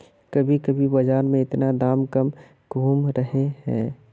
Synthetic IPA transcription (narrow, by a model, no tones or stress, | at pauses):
kɐbʱikəbʱibɐd͡ʒaːɾmẽɪt̪nad̪aːmkɐm | ɡ̥ʱuːmɾəɦeɦɛ̰̃ː